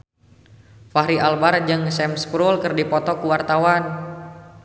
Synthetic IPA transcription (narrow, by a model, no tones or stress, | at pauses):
faɦɾialbard͡ʒɨŋsɛmskɾulkərdipɔt̪ɔkuwart̪awan